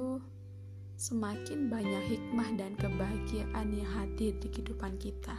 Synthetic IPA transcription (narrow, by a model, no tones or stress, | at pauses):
u | səmakɪnbaɲakhik̚mahdankəbaɦaɡiaʔaniɦad̪ɪrkəhidupankit̪a